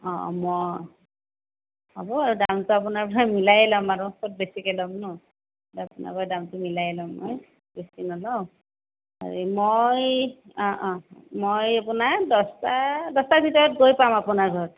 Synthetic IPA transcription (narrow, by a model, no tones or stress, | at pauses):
ɔ̰̃mɔ | ɔbɔaɹudamtʊapunaɹpɔɹamilajɛlamaɹusʰot̚besikɛlɔmnɔ | tapuna̰kɔjdamtʊmilajɛlamːɔ̰j | besinɔlɔ | a̰ɹimojɔ̃ʔmojapunaɹdɔstadɔstaɹbʱitɔɹɔt̚ɡojpamapunaɹɡʱɔ